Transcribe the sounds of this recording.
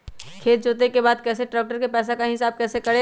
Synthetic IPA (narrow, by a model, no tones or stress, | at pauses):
kʰeːt̪̚d͡ʒoːt̪ekebaːd̪kɛːseʈɾaːk̚ʈəɾkepɛːs̬akaɦɪsaːb̚kɛːsekɐɽe